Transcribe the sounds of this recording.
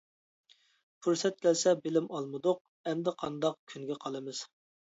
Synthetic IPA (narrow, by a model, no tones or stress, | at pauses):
pʰuɾsɛt̪̚kʲʰɛlsɛbɪlɪmɑlˠmɨd̪ʊq̚ | ɛmd̪ɪqʰɑnd̪ɑqkʲʰyŋɡʲɛqʰɑlˠɨmɨz̥